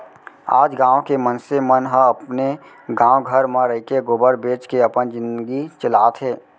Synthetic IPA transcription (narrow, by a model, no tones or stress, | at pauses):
a̰ːd͡ʒɡãːõkemənsemənɦəɐpne | ɡãːw̃ɡʱəɾmaɾəikeɡʊbəɾbeːt͡ʃkeɐpənd͡ʒɪ̃nd̪ɡit͡ʃɪlaːt̪ɦeː